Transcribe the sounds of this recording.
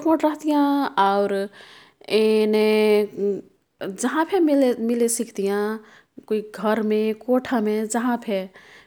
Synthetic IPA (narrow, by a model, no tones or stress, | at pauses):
poʈɾəɦt̪ijãaʊɾ | ene | d͡ʒɐɦãpʰememilesikʰt̪ijã | koiɡʱəɾmẽkoʈʰamẽd͡ʒəɦãpʰe